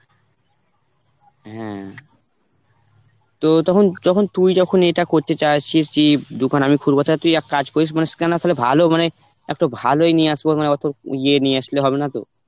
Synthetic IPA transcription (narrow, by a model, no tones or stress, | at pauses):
ɦɛ̰̃ | t̪ot̪ɔkʰond͡ʑɔkʰont̪ujd͡ʑɔkʰoneʈakoɾt̪et͡ɕajt͡ɕʰiʃkid̪ukanamikʰuɾbot̪ʰat̪ujakkad͡ʑkoɾiʃ̬maneskanat̪ʰalebʱalomane | ɛk̚ʈobʱaloenieaʃbomaneɔt̪ʰoɾienieaʃleɦɔbenat̪o̰